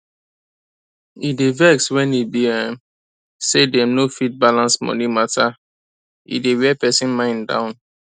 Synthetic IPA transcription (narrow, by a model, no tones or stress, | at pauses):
idevɛkswɛ̃nibiɛ̃m | sedɛ̃mnofit̚balãnsmɔ̰nimatʰa | ḭdewɛpɛsĩnmãɪ̃ndã̰ʊ̃n